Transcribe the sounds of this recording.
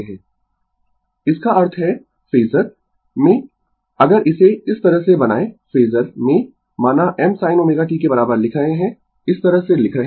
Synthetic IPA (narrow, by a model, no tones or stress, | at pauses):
ɦɛ̃ː | ɪskaɐɾt̪ʰɦɛ | fiːzəɾ | mẽ | ɐɡəɾɪseɪst̪ɐɾəɦsebɐna̰ːefeːzəɾmẽ | maːnaʔɛmsaːɪnoːmeːɡaʈikebɐɾaːbəɾlɪkʰɾəɦẽɦɛ̃ | ɪst̪ɐɾəɦselɪkʰɾɐɦ